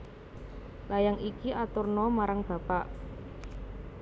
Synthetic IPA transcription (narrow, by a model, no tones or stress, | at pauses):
lajaŋikiʔat̪ʊrnɔmaɾaŋb̥ä̤paʔ